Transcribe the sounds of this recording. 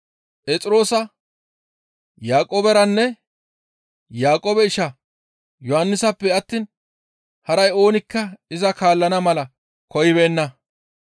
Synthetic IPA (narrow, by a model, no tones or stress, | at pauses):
pʼɛt͡sʼɪɾo̞ːsɐ | jaːkʼoːbɛɾɐnːɛ | jaːkʼoːbɛɪʃɐ | jɔhɐnːɪsɐpːɛɐt̪ːiːn | hɐɾɐjo̞ːnɪkːɐɪzɐkaːlːɐnɐmɐlɐ | kɔjɪbe̞ːnːɐ